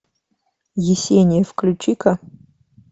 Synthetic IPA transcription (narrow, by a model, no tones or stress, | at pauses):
jɪsʲenʲɪjəfklʲʊt͡ɕikɐ